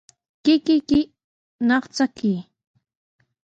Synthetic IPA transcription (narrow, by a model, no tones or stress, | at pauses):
kɪkɪkɪ | nɑχt͡saki